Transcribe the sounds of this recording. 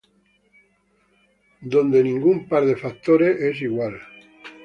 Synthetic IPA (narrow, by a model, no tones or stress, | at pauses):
d̪õ̞nd̪enĩŋɡumpaɾðefak̚t̪oɾeʔes̬iɣwal